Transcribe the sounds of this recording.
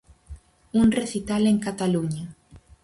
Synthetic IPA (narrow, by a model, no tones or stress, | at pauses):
uŋreθit̪aleŋkat̪aluɲa